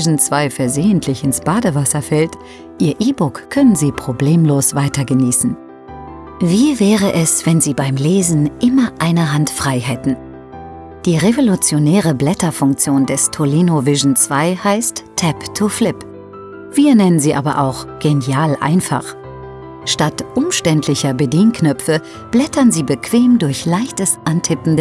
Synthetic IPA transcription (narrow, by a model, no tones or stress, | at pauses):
ʒn̩t͡sv̥aɪfɛɐzeːəntʰlɪçɪnsb̥aːdəvasɐfɛlt | ʔiːɐʔiːbʊkkʰːœnənziːpʁ̥obleːmloːsv̥aɪtɐɡəniːsn̩ | viːvɛːʁəʔɛsv̥ɛnziːbaɪmleːzn̩ʔɪmɐʔaɪnɐɦantfʁ̥aɪɦɛtn̩ | d̥iːʁevolut͡sjonɛːʁəblɛtɐfʊŋk̚t͡sjoːndɛstʰoliːnovɪʒn̩t͡sv̥aɪhaɪstʰːɛptʰuflɪp | v̥iːɐnɛnənziːʔa̰ːbɐ̰ʔa̰ʊxɡ̥enjaːlʔa̰ɪnfa̰χ | ʃtatʔʊmʃtɛntʰlɪçɐbədiːnknœpp͡fə | b̥lɛtɐnziːbəkʰv̥eːmdʊɐçlaɪçtəsʔantʰɪpn̩d